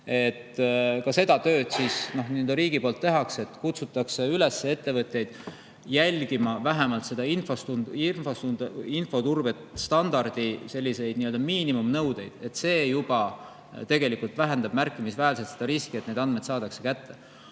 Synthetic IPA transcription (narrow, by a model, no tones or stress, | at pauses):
e̞t̪kɑse̞d̪ɑt̪ø̞ːd̪̥sisno̞hniøld̪ɑɾiːɡ̥ipo̞lt̪ːe̞ɦɑkse̞t̪kut̪sut̪ːˑɑkse̞yle̞sːee̞t̪ːe̞vɤt̪jejd̪̥ | jælʲɡ̥imɑvæɦemɑlt̪se̞d̪ɑinfost̪unifost̪und̪info̞t̪urbet̪st̪ɑnd̪ɑrd̪̥ise̞lʲːise̞jd̪niøld̪̥ɑmiːnimumnɤwd̪̥e̞jd̪̥e̞t̪ːse̞ːjub̥ɑ | t̪e̞ɡ̥e̞likult̪væɦend̪ɑb̥mærkːˑimisvæːlset̪se̞d̪̥ɑɾiskie̞t̪ned̪ɑnd̪̚med̪sɑːd̪̥ɑkse̞kæt̪ːe̞